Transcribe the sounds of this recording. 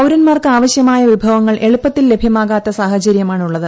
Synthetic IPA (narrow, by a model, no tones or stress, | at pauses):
ɐwɾɐnmaːrkɨaːʋɐɕjɐmaːjɐʋibʱɐʋɐŋːɐɭʔe̞ɭupːɐt̪ːilːe̞bʱjɐmaːɣaːt̪ːɐsaːɦɐt͡ɕɐɾjɐmaːɳuɭːɐðɨ